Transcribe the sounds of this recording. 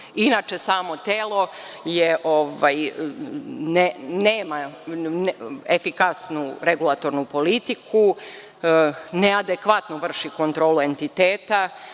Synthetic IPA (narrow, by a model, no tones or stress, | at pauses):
inaːt͡ʃe̞saːmo̞t̪eːlˠo̞ | jeʔoʋaj | neneːma | efikasnuɾeɡulˠat̪o̞ɾnupo̞lit̪ikʰu | nead̪ekʋat̪nuʋr̩ʃikont̪ɾo̞ːlue̞nt̪it̪eːt̪a